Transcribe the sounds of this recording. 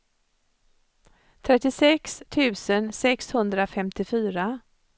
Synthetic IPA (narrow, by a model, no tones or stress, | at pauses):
t̪ʰɾɛt̪ːɪsɛkst̪ʰʉ̟ːsənsɛkshɵnd̪ɾafɛmt̪ɪfyːɾa